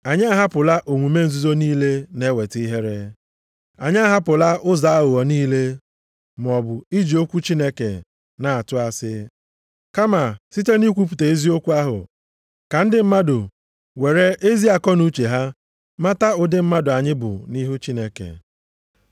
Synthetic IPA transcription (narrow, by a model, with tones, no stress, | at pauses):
a˨ɲɪ˦a˦ɦa˦pʊ˨la˦ʔo˨ŋʷu˨me˦n̩˨zu˦zo˦niː˦le˦ne˦we˨ti˦i˦ɦe˦ɾe˦ | a˨ɲɪ˦a˦ɦa˦pʊ˨la˦ʔʊ˦za˨a˦ʊ˨ɔ˨niː˦le˦ | m˨ɔ˨bʊ˨i˦d͡ʒi˨o˦kʷu˦t͡ʃi˦ne˦kḛ˨ | na˨a˨tʊ˦a˨sɪ˦ | ka˦ma˨si˦te˦ni˦kʷu˦p̬u˨te˨e˦zi˦o˦kʷu˦a˦ɦʊ̰˨ | ka˨n̩˦dɪ˨m̩˦ma˦dʊ˨ | we˨ɾe˦ʔe˦zi˦a˨kɔ˦nu˦t͡ʃe˨ɦa˦ | ma˦ta˦ʊ˨dɪ˦m̩˦ma˦dʊ˨a˨ɲɪ˦bʊ̰˨ni˦ɦu˦t͡ʃi˦ne˦kḛ˨